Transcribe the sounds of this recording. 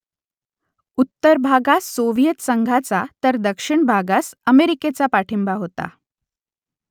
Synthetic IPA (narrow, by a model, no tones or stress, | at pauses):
ut̪ːəɾbʱaɡasoʋijət̪səŋɡʱat͡sat̪əɾd̪əkʂiɳbʱaɡasəmeɾiket͡sapaʈʰimbaɦot̪a̰